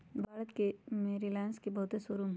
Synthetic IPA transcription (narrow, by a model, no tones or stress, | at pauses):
bʱaːɾət̪kemeːɾilɛːnskebɐɦʊt̪esʊɾumɦ